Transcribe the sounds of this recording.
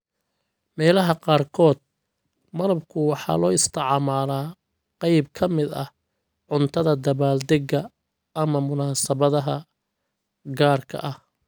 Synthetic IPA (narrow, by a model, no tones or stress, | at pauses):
mɛːlɐɦɐqɑːrkʰɔːd̪̚ | mɐlɐbkʰʊwɑħɑ̰ːlɔːɪst̪ʰɐʕɑːmaːlaː | qɑjb̚kʰɐmɪd̪ɐ̰h | ʕʊnt̪ʰɐðɐd̪ɐβaːld̪ɛɡɐ | ʔːmɐmʊnaːsɐβɐðɐɦɐ | ɡaːrkʰɐ̰ʔɐh